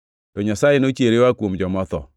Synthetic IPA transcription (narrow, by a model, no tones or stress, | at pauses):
tɔɲasajenot͡ʃeɾewakwomd͡ʒɔmɔt̪ɔ̰